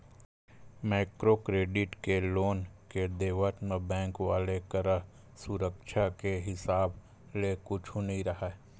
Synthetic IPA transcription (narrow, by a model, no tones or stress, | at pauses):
maːɪkɾokɾeːɖɪʈkeloːnked̪eːʋəʈmẽbɛ̃ːŋkwaːlekəɾə | sʊɾəkʃʰakeɦɪsaːb | lekʊt͡ʃʰũnɐɦĩɾɐɦae